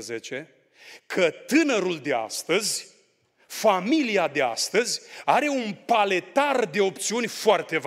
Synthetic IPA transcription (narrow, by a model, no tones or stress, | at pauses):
zet͡ʃe̞ | kʰət̪ɨnəɾuld̪e̞a̰st̪əzʲ | familiad̪ea̰st̪əzʲaɾe̞unpale̞t̪ard̪e̞op̚t̪siunʲfoart̪e̞v